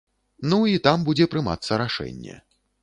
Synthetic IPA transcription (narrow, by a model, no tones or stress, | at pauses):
nuit̪ambud͡zʲɛpɾɨma̰t̪sːɐɾaʂɛ̰nʲːɛ̰